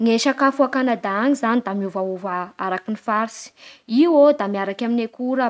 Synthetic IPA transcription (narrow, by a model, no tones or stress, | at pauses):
ŋeʃakafuakanad̪aaŋizanid̪amiuvauvaaɾakinifaɾisi̥iwod̪amiaɾakʲaminekuɾə